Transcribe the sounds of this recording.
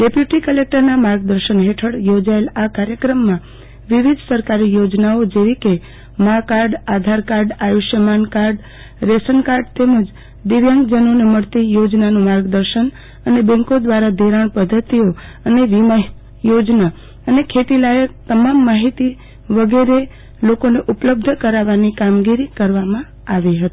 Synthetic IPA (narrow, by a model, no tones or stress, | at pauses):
ɖepjuʈikəlek̚ʈəɾnamaɾɡ̚d̪əɾʃənɦeʈʰəɽjod͡ʒaelakaɾjəkɾəmːã | ʋiʋid̪ʱsəɾkaɾijod͡ʒnaod͡ʒeʋike | makaɾɖad̪ʱaɾkaɾɖajuʃjəmankaɾɖ | ɾesənkaɾɖt̪eməd͡ʒ | d̪ɪʋjãŋɡd͡ʒənoneməɽt̪ijod͡ʒnanũmaɾɡd̪əɾʃən | ənebɛ̃ŋkod̪ʋaɾad̪ʱiɾaɳpəd̪ʱːət̪io | əneʋima | jod͡ʒna | ənekʰet̪ilajət̪əmamːaɦit̪i | ʋəɡeɾe | lokoneʔupləb̚d̪ʱkəɾaʋanikamɡiɾikəɾʋamã | aʋiɦət̪i̥